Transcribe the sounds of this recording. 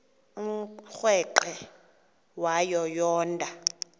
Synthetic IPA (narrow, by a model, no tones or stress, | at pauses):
um̩xwɛǃɛ | wajɔjɔːndʼʱa